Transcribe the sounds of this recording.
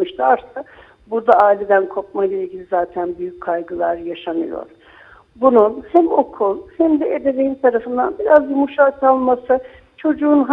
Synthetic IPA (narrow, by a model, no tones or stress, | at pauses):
ɯʃt̪aɾsɯ | buɾd̪aaːilʲe̞d̪ænkʰo̞p̚majlˠailʲɟʲilʲizaːt̪ʰænbyjyckʰːajɡɯlˠaɾjaʃanɯ̰jo̰ɾ̥ | bununhæmo̞kʰulˠhæmd̪ɛed̪evejint̪ʰaɾafɯnd̪a̰nbiɾazumuʃat̪alˠmasɯ | t͡ʃʰo̞d͡ʒuːnɦ